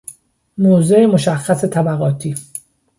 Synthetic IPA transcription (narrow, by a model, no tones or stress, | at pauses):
moːzeemo̞ʃæxːæse̞t̪ʰæbæɣɒːt̪ʰiː